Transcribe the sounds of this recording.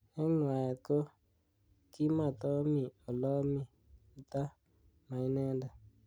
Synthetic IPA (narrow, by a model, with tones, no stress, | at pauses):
ɛ˦nwa˨ɛ˨ko˦ | ki˦ma˨t̪ɔ˦mi˨o˨lɔ˦mi˨ | u˨t̪a˦ | ma˨i˦nɛ˦nda˨